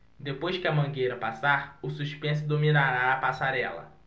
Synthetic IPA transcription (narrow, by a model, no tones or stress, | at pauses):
d̪epojʃkɪɐmɐ̃ŋɡejɾɐpasaɾʊsuʃpẽs̬ʊd̪ominaɾaːpasaɾɛlɐ̰